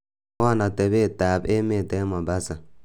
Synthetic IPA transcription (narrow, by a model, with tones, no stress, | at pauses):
a˦˨na˨tɛ˨be˦˨taː˨be˦me˨tɛ˦ma˨ba˦sa˨